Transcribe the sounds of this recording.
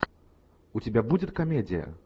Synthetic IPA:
ut͡sʲɪbʲabud͡zʲɪt̪kamʲed͡zʲijɐ̰

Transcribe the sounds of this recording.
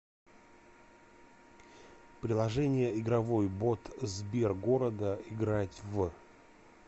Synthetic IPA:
pɾʲɪlˠɐʐɛnʲɪjəɪɡɾɐvo̞jbo̞t̪zbʲerɡo̞ɾəd̪əɪɡɾatʲv

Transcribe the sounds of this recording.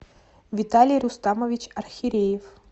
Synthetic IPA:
vʲɪt̪alʲɪjɾʊst̪aməvʲɪt͡ɕɐrxʲɪɾʲejɪf

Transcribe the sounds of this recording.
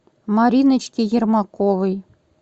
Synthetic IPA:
mɑɾʲinɘ̆t͡ɕkʲejɘ̆rmɑkoʋɘ̆j

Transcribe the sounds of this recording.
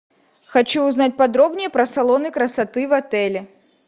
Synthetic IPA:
xat͡ɕuːznat͡sʲpad̪ɾɔbnʲɪjɛpɾɐsalˠɔnɨkɾɐsat̪ɨvat̪ɛlʲɛ

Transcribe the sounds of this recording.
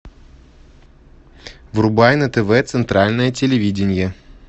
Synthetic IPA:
vrʊbajnət̪ɛvɛt̪sɨnt̪ɾalʲnəjətʲɪlʲɪvʲidʲɪnʲjə

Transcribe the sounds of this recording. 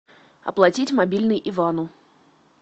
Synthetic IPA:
ɐ̰plˠɐtʲitʲmabʲilʲnɨjʔivanʊ

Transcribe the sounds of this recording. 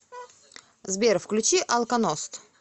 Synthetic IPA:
zbʲeɾfklʲʉt͡ɕiʔɐlˠkɐnost̪

